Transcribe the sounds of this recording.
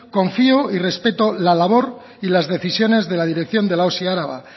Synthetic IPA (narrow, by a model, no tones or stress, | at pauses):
ko̞ɱfioire̞spe̞t̪o̞lalaβ̞o̞ɾ | ilazðe̞θisjo̞ne̞zðe̞lað̞iɾe̞k̚θjo̞nd̪e̞laosiaaɾaβa̰